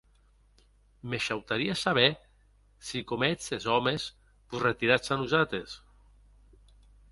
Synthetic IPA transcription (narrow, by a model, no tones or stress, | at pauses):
meʃawt̪aɾiasaβ̞ɛ | sikomɛt͡sezɔmes | buzret̪iɾat͡sanuzat̪ɾes